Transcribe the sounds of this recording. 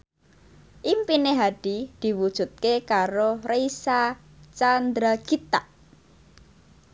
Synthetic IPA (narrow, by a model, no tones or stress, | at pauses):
ʔimpineɦaɖ̥id̪̥i̤wud̥ʒ̥ṳt̪̚kekaɾorejsa | t͡ʃand̪ɾaɡ̥it̪aʔ